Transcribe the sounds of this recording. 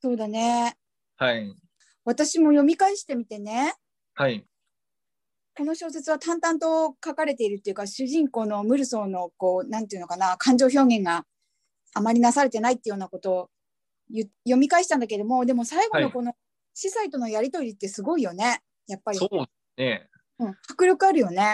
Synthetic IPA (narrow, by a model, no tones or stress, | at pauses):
so̞ːd̪ane̞ | ha | β̞at̪aɕimo̞jo̞mʲikaiɕi̥t̪e̞mʲit̪e̞ne̞ | hai | ko̞no̞ɕo̞ːse̞t͡sɨβat̪ãnt̪ãnt̪o̞kakaɾe̞t̪e̞iɾɯ̟t̪ːe̞jɯ̟kaɕɨʑĩŋko̞ːno̞mɯ̟ɾɯ̟so̞ːno̞ko̞ːnãnt̪eiɯnokanakʰãɲ̟d͡ʑo̞ːço̞ːɡẽ̞ŋɡa | amaɾʲinasaɾe̞t̪e̞nait̪ːe̞jo̞ːnako̞t̪o̞ | jɯ | jo̞mʲikaiɕi̥t̪ãnd̪ake̞d̪o̞mo̞d̪e̞mo̞saiɡo̞no̞ko̞no̞ | ɕisait̪o̞no̞jaɾʲit̪o̞ɾʲit̪ːe̞sɨɡo̞ijo̞ne̞ | japːaɾʲio | ne | ɯ̟̃ɴhḁkɯ̟ɾokɯ̟aɾɯ̟jo̞ne̞